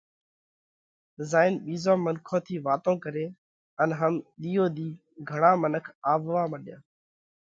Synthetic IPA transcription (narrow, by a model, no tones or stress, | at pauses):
zaːɪnɓiːzãːmənkʰõːt̪ʰiːʋaːt̪õːkəɾeː | ənɦəmɗ̪iːjoːd̪iː | ɡʱəɳãːmənəkʰaːʋʋaːməɗjã̰ː